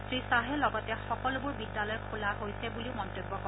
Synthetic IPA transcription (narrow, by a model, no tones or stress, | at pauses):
sɹisaɦɛlɔɡɔtɛxɔkɔlʊbʊɹbidːalɔjkʰulaɦojsɛbuliʊmɔntobːɔkɔ